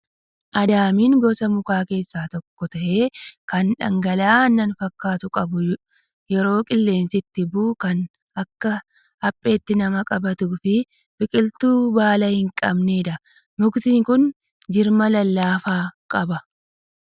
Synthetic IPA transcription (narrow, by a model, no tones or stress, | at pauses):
ʔɐd̪aːmiːŋɡɔsɐmʊkaːke̞ːsːaːt̪ɔkːɔt̪ɐʔeːkɐnᶑɐ̰ŋɡɐlaːnɐnfɐkːaːt̪ʊkʼɐbʊ | jɛɾo̞ːkʼɪlːe̞ːnsɪt̪ːɪbuːkɐn | ɐkːɐ | ɐpʼːe̞ːt̪ːɪnɐmɐkʼɐbɐt̪uːfɪ | b̥ɪkʼɪlt̪uːbaːlɐhɪŋkʼɐ̰bneːᶑɐ | mʊkt̪ɪŋkʊn | d͡ʒɪɾmɐlɐlːaːfaːkʼɐbɐ